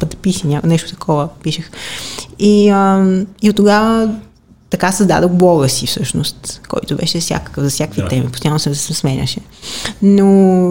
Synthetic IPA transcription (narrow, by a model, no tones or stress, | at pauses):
pəd̪ɐpisinʲanɛʃt̪ʊ̥t̪ɐ̥kʰɔvəpiʃəx | iəiot̪ːoɡavə | t̪ɐkasɐzd̪a̰d̪oxblˠɔɡəsifsɤʃno̰st̪kɔ̰jt̪ʊbɛ̰ʃɛfsʲja̰kə̥kəvzɐfsʲjakvit̪ɛmipost̪ɐjalnosnɛsɛsɛsmɛnʲə̰ʃɛ | no